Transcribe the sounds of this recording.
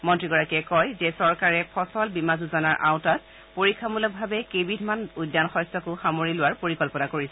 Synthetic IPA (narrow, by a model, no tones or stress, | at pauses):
mɔntɹiɡɔɹakɛkɔjzɛsɔɹkaɹɛpʰɔsɔlbimazuzɔnaɹʔa̰wtat | poɹikʰːamulɔk̚bʱabɛkebidʱmanujdːanxɔjsɔkʊxamoɹilʊwaɹpoɹikɔlpɔnakoɹisɛ